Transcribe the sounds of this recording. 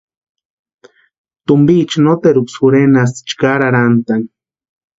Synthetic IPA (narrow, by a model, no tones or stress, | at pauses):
t̪umbit͡ʃnot̪eɾuksuɾenas̬i̥t͡ʃkaɾaɾant̪an